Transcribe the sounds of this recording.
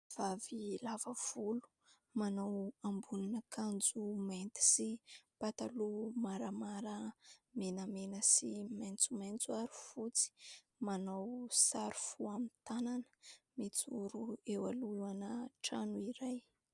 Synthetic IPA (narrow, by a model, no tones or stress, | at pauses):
v̥avilavəv̥ulu̥ | manawambuninəkʰand͡zumant̪i̥sipat̪alumaɾamaɾəmenəmenəsimant͡sumant͡suaɾifut͡si̥ | manawsaɾu̥fuamit̪ananə̥met͡suɾuewaluuanəʈ͡ʂanuiɾaj